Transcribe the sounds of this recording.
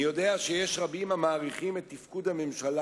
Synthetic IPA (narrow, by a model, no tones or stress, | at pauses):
jo̞de̞aʃejeʃʁabimhamaːʁiχimet̪ːifkudhame̞mʃala